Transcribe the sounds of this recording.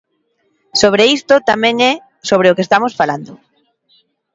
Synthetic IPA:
soβ̞ɾeist̪ot̪amɛ̃ŋɛ | soβ̞ɾeʊkest̪amosfaland̪ʊ

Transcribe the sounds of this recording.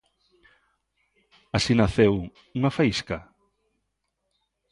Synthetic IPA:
asinaθew | uŋafajska

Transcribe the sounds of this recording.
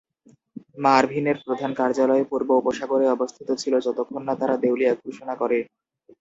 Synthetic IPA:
maɾbʱineɾpɾod̪ʱankaɾd͡ʑalɔepuɾboupoʃaɡoɾeɔbost̪ʰit̪ot͡ɕʰilod͡ʑɔt̪okʰːonːat̪aɾad̪ewlijaɡʱuʃonakɔɾe

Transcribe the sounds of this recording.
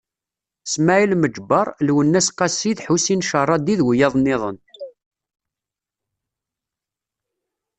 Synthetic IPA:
smæilməd͡ʒbɑɾˤlwənːæsqɑsːiðħusinʃərˤɑd̪iðwjɑðˤnɪðˤən

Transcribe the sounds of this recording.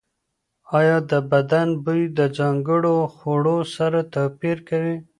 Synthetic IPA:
ɑjɑd̪əbad̪anbujd̪əd͡ʒɑŋɡəɽoxoɽosaɾat̪apiɾkawi

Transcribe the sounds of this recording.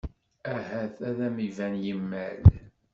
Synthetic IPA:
æhæθæðæmivænjəmːæ̰l

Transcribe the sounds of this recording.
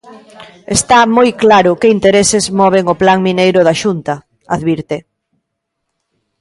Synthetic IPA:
est̪amojklaɾʊkeint̪eɾesɪzmɔβ̞eŋʊplaŋminejɾʊðaʃunt̪ɐ | aðβiɾt̪e

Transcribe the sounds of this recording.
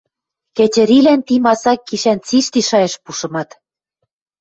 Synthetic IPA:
kĕt͡ɕɘ̆ɾilænt̪imɑsɑkːiʃænt͡siʃt̪iʃɑjĕʃpuʃɤ̆mɑt̪

